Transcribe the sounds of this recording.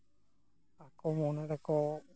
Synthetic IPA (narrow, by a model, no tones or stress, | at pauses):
akomõnaɾako